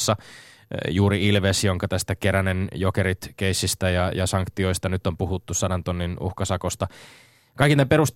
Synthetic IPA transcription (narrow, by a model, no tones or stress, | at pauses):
sːɑ | juːɾiilʋesjoŋkɑt̪æst̪ækeɾænenjokeɾit̪keisːist̪æjɑjɑsɑŋkt̪io̞ist̪ɑnyt̪ːompuhut̪ːussɑdɑnt̪onːinṵhkɑsɑkost̪ɑ | kɑikːinæpeɾust̪